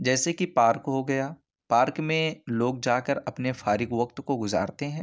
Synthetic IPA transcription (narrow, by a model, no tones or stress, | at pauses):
d͡ʒɛːsekipaːɾkɦoɡɐjaː | paːɾkmẽloːɡd͡ʒaːkəɾɐpnefaːɾɪɡʋɐk̚t̪koɡʊza̰ːɾt̪eɦɛ̃ː